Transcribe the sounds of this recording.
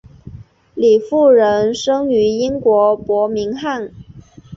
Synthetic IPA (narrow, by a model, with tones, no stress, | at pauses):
li˨˩fu˥˩ɻə˧˥nʂɤ˥ŋy˧˥i˥ŋkwɔ˧˥pwɔ˧˥mi˧˥ŋxa˥˩n